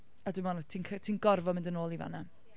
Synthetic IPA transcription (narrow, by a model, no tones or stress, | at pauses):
adwɪmɔnḁtʰiːnkʰtʰiːnɡɔrvɔmɪ̃ndənoːlˠiva̰na